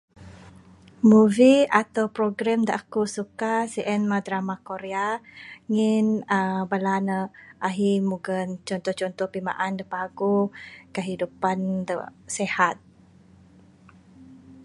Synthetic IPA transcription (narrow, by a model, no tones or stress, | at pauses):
muviat̪awpɾoɡɾamda̰ʔkusukasiʔɛnmad̪ɾamakoɾeaŋinəbəlanəʔaɦimuɡənt͡ʃɔnt̪ɔht͡ʃɔnt̪ɔhpima̰ʔandəpaɡukəɦidupandə̰sehat̪̚